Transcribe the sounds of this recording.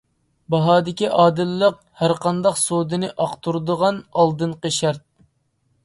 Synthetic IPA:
bɑɦɑːd̪ɪkʲiʔɑːd̪ɨlːəq | hæɾqʰɑnd̪ɑqsod̪ɨnɨʔɑqt̪uɾd̪əʁɑnɑlˠd̪ɨnqəʃæɾt̪̚

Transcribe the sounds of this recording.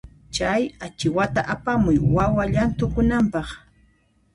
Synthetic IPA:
t͡ʃajat͡ʃɪwat̪aʔapamʊjwawaʎant̪ʊkʊnampɑχ

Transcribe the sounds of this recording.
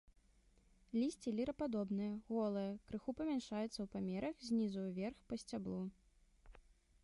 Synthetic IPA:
lʲisʲt͡sʲilʲiɾɐpad̪ɔbnɨjɐɣɔlˠɨjɐkɾɨxupɐmʲanʂajut̪sːɐwpamʲɛɾɐxzʲnʲizujwvʲɛrxpɐsʲt͡sʲablˠu

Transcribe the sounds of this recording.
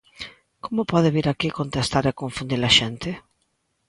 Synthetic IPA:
komʊpɔðeβiɾakikont̪est̪aɾekoɱfund̪ilaʃɛnt̪e

